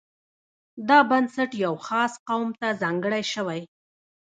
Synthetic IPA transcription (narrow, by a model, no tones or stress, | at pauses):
d̪ɑbansaʈjawxɑsqawmt̪azɑŋɡəɽajʃəwaj